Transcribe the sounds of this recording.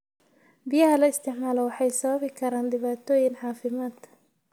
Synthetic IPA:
bɪjɐɦɐlɐɪst̪ʰɪʕmaːlɔwɑħɑjsɐβɐβɪkʰɐɾaːnɖɪβaːt̪ʰɔːjɪnħɑːfɪmaːd̪̥

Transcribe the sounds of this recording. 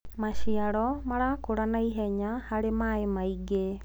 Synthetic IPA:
maʃiaɾɔmaɾakoɾanaiɦɛɲahaɾemaemaiɡe

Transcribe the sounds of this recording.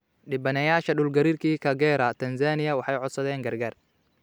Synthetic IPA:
ɗɪbɐnɐjaːʃɐɗʊlɡɐɾiːrkʰiːkʰɐɡɛːɾɐt̪ʰɐnsaːnɪjɐwɑħɑjʕɔd̪sɐðɛːŋɡɐrɡaːr

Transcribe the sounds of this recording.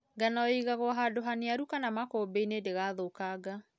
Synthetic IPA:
ɡanɔiɣaɣwɔɦadoɦaneaɾukanamakoːbeinedeɣaðokaɡa

